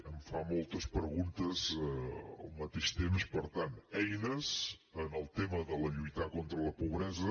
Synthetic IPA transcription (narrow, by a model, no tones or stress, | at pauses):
əmfamɔlˠt̪əspɾəɣunt̪əz | ə̰lˠmət̪eʃt̪emspəɾt̪anɛjnəzənəlˠt̪eməðələʎujt̪akont̪ɾələpuβɾɛzə